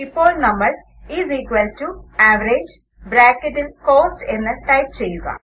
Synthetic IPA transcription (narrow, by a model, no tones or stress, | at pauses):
ipːo̞ːɭnɐmːɐɭ | iːziːkʋɐltːuaːʋɐɾeːd͡ʑ | bɾaːkːɐtːilko̞ːsʈe̞nːɨʈɐjp̚t͡ɕe̞jːuɣɐ̰